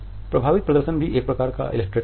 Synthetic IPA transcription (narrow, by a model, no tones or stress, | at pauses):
pɾɐbʱaːʋɪt̪̚pɾɐd̪əɾʃənbʱiʔeːkpɾɐkaːɾka̰ʔɪ̰lek̚ʈɾeː